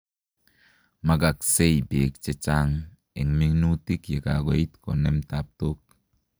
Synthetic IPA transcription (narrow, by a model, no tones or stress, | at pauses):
maɡaksejbekt͡ʃet͡ʃaŋ | eŋmiŋnutikjekaɡeit̪konemtap̚tok̚